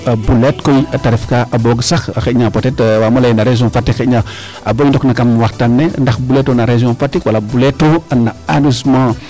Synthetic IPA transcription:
abuletkojataɾifkaʔaboɡsaxxeɲãpotetwamolajinaɾeʒiɔ̃fatːixeɲa | a̰boindoknakamwaxtanːendaxbuletonaɾezɔ̃fatːikwalabuletoanaanozmã

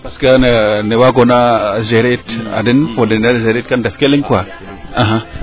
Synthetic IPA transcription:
paskanenewaɡonazeɾeta̰dinfodenazeɾit̚kandefkeliŋkwa | aɦã

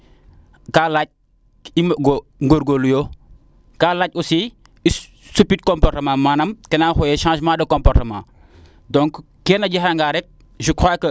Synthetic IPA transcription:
kaːlac̚ | imɡoŋɡoɾɡolujo | kaːlaːc̚usi | i | supit̚kɔmpɔrtɐmãːmaːnɐmkɛnaxɔjɛʃãːʒmãːdɐkɔ̃mpɔrtɐmã̰ː | dɔŋkː | ɛːnɐɟɐɦaŋɡaɾɛk̚ | ʒukʰaːkɐ

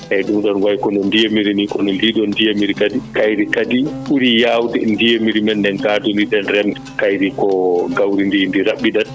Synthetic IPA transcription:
hɛjdumdɔnwajkɔnɔndijemiɾinikɔnɔndidɔndijemiɾikadikajɾikadiɓuɾijawdɛndijemiɾimɛndɛnɡadundidɛnrɛmtɛkajɾikɔɡawɾindindiɾaɓːidan

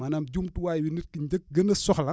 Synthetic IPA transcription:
mɐnɐmɟuːmtuwaːjwinit̚kiɲɟək̚ɡənɐsɔxlɐ

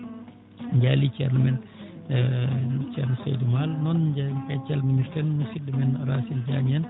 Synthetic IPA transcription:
ɲd͡ʒalit͡ʃɛ̰ɾnmɛn | t͡ʃɛ̰ɾnsɔ̰jdumalnɔnd͡ʒapɛt͡ʃalminiɾtɛnnusidːimɛnɾasild͡ʒamian

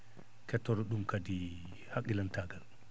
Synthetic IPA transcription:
kɛtːɔɾɔɗumkadi | hakːilantaɡal

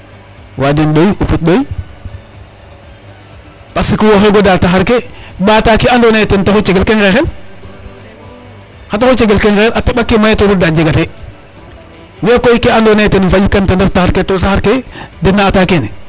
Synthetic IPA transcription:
wadinɗojʔuput̚ɗoj | pasikiwoxeɡodaltaxaɾkebatakiandonatentaxot͡ʃeɡelkeŋɾexel | xataxot͡ʃeɡelkeŋkexelateɓakːemajetoduɾdad͡ʒeɡate | wekoikeandonajtenfad͡ʒikantandaftaxaɾketotaxaɾkedinaːtakene

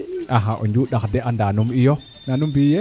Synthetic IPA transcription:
ʔaɦaʔo̰ɲd͡ʒuɗakdeʔandanumijo | nanumbije

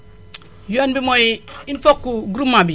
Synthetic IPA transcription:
jonbimojinfokːuɡuɾumːabi

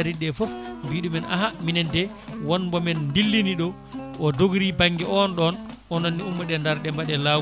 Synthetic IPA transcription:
ɾiɗɛfɔfbiːɗumɛna̰ɦaminɛndɛ | wɔnbɔmɛnndilːiniɗɔ | ɔdoɡɾibaŋɡɛʔɔnɗɔnʔɔnɔnːiumːɔɗɛndaɾɗɛmbaɗɛla

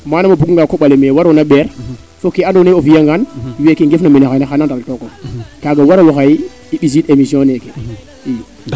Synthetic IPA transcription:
manamabukŋɡakoɓalemewaɾonaɓeɾ | fokeandoneofijaŋɡanwekeŋɡefnamenexajnaxanantaltokokaɡawaɾawoxaj | iɓis̬itemisiɔ̃neke | i

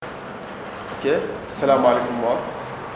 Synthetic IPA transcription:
ke | sɐlaːmalekumːat̪

